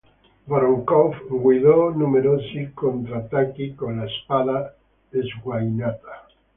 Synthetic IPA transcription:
baɾoŋkofɡwiðonumeɾosikont̪ɾat̪akikonlaespaða | ðezɣwajnat̪a

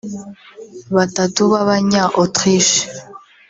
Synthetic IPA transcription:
βatatuβaβaɲaʔotχiʃ

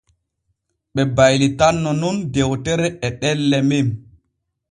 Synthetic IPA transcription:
ɓɛbajlitanːɔnundɛwtɛɾɛɛɗɛlːɛmim

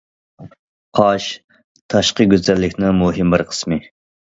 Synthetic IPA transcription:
qʰɑʃ | t̪ʰɑʃqəɡʲøzɛlːɪkʲnɪŋmuɦɪmbɪɾqʰə̥smɨ

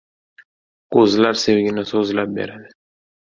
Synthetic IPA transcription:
kozlaɾsewɡʲɪnasozlap̚bḛɾad̪ɪ

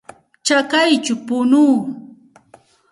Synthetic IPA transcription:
t͡ʃakajt͡ʃʊpʊnuː

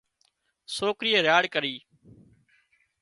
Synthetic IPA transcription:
soːkɾiːəɾjaːɽkəɾiː

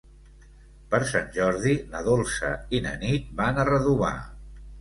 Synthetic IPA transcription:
pəɾsanʲʒɔɾðinəðolˠsə̰inə̰nit̪̚banərəðuβa̰

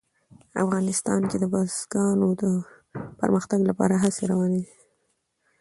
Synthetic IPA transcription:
a̰fɣɑnɪst̪ɑnked̪əbɑzɡɑnod̪ə | pə̰ɾməxt̪aɡlapɑ̰ɾaɦaseɾawɑned̪e

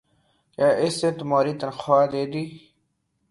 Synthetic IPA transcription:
kaːʔesẽt̪umaːɾiːt̪ɐnxʰaːd̪eːd̪iː

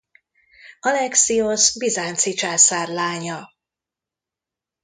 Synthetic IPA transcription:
ɒlɛksiosbizaːnt̪sit͡ʃaːsaːrlaːɲɒ

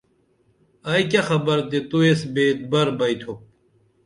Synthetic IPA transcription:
ɐjkʲɐxɐbɐɾt̪et̪uesbeːt̪̚bɐɾbɐjt̪ʰop̚

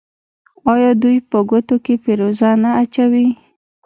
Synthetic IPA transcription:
ɑjɑd̪ujpəɡot̪okefeɾozɑnaːt͡ʃawi

